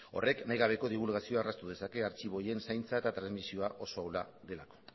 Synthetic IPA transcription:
o̞̰re̞knajɣaβ̞e̞ko̞ðiβ̞ulɣasio̞arast̪uðe̞sake̞aɾt͡ʃiβo̞je̞nsajnt͡saet̪at̪ɾanzmisio̞aʔo̞so̞awlaðe̞lako̥

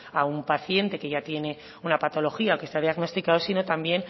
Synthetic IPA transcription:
aumpaθje̞nt̪e̞ke̞ʝat̪je̞ne̞ | unapat̪o̞lo̞xiaoke̞st̪aðjaɣno̞st̪ikaðosino̞t̪ambje̞n

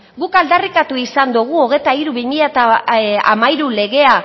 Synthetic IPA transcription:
ɣukald̪arikat̪uisand̪uɣ̞uo̞ɣ̞e̞t̪aiɾuβimiʎat̪aa̰majɾule̞ɣe̞a

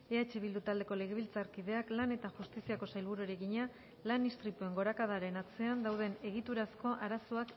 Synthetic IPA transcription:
e̞at͡ʃe̞βild̪ut̪ald̪e̞ko̞le̞ɣ̞e̞β̞ilt͡saɾkiðe̞aklane̞t̪axust̪isiako̞sajlβuɾueɾe̞ɣiɲa | lanist̪ɾit̪ue̞ŋɡo̞ɾakað̞aɾe̞nat͡se̞and̪awð̞e̞ne̞ɣ̞it̪uɾasko̞ʔaɾasoak

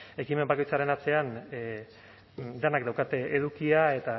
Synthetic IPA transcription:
e̞kime̞mbako̞jt͡saɾe̞nat͡se̞an | d̪enakd̪awkat̪e̞ʔeð̞ukiae̞t̪a

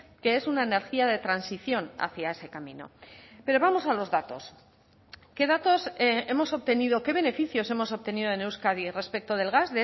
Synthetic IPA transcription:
ke̞e̞sunaene̞ɾxiaðe̞t̪ɾansiθjo̞na̰θjae̞se̞kamḭ̃no̞̰pe̞ɾo̞βamo̞salo̞zðat̪o̞s | ke̞ðat̪o̞se̞mo̞so̞βt̪e̞niðo̞ke̞βe̞ne̞fiθjo̞se̞mo̞so̞β̚t̪e̞niðoenewskaðire̞spe̞k̚t̪o̞ð̞e̞lɣazðe

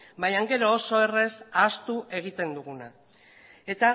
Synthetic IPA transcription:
bajaŋɡe̞ɾo̞ːso̞e̞re̞sast̪uʔe̞ɣ̞it̪e̞nd̪uɣ̞una̰ | e̞t̪a

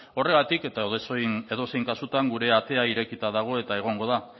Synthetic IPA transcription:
o̞re̞ɣ̞at̪ike̞t̪aðse̞ðo̞se̞jŋkasut̪aŋɡuɾe̞at̪e̞aiɾe̞kit̪aðaɣ̞o̞e̞t̪ae̞ɣ̞o̞ŋɡo̞ða

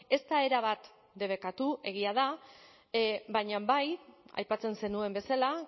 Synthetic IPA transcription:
e̞st̪ae̞ɾaβ̞at̪ | d̪e̞β̞e̞kat̪ue̞ɣ̞iað̞a | bajɲabaja̰jpat͡se̞nse̞nue̞mbe̞sala

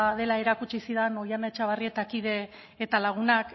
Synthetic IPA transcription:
ðe̞lae̞ɾakut͡ʃisiðano̞janaet͡ʃaβarie̞t̪akið̞e̞ː | t̪alaɣ̞unak

